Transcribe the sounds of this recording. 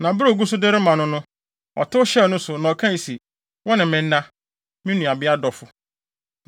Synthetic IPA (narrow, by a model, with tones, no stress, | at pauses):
nã˨bɾo˦˨ɡu˦s̬ʊ˦de˦ɾɪ˦mã˨nʊ̃˦nʊ̃˦ | ɔ̰˨tʊ˦ʊ˦ɕɛ˦˨nʊ̃˦sʊ˨nã˨ɔ˨kʰã˦n˨si˨ | wɔ˦nɪ̃˨mɪ̃˨nː˦ã˦ | mɪ̃˦nũ˨a˨bɪ˦a˦dɔ˨fʊ˨